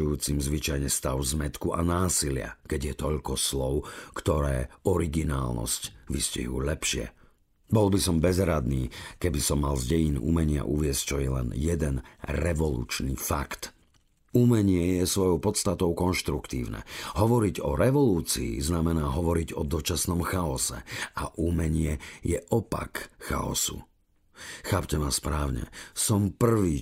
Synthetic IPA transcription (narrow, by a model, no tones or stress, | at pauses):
ujuːt͡simzʋit͡ʃajɲɛst̪aʊzmɛt̪kuʔanaːsilɪa̰kɛɟjɛt̪ɔʎkɔslɔʊkt̪ɔɾɛ̰ːɔɾiɡina̰ːlnɔ̰scʋiscḭɦuːlɛpʃɪɛ̰ | bɔlbisɔmbɛzɦɾad̪niːkɛbisɔmːalzɟɛjinṵmɛɲɪa̰ʔuʋɪɛsct͡ʃɔjɛlɛ̰njɛd̪ɛnɾɛʋɔlṵːt͡ʃnifakt̪ | umɛɲɪɛjɛsʋɔjɔʊpɔt̪st̪at̪ɔʊkɔnʃt̪ɾukt̪ḭːʊnɛ̰ɦɔʋɔɾiɟɔɾɛʋɔluːt͡sḭːznamɛnaːɦɔʋɔɾiɟɔd̪ɔt͡ʃasnɔmxaɔsɛ̰aʔumɛɲɪɛjɛʔɔpa̰kxa̰ɔ̰sṵ | xaːpcɛmaspɾaːʊɲɛ̰sɔmpr̩ʋiː